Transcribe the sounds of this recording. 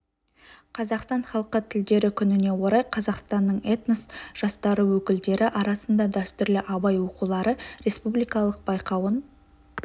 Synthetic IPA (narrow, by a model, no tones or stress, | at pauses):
qʰɑzɑqst̪ɑnχɑlˠqət̪ʰɪld̪e̞ɾɪkʲʰʏnɪne̞wo̞ɾɑjqʰɑzɑqst̪ɑnːəɴet̪nəsʒ̥ɑst̪ɑɾəwɵkʲɪld̪e̞ɾʔɪʔɑɾɑsənd̪ɑd̪æst̪ʏɾlɪʔɑbɑjwo̞qulˠɑɾəɾe̞spublijkɑlˠəq̚bɑjqɑwən